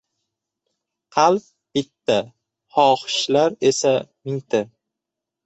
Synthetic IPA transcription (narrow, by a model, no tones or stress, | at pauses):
qʰɑlˠp̚ | b̥ɪt̪ːa | hɒhʃlaɾe̞samɪŋt̪ʰɪ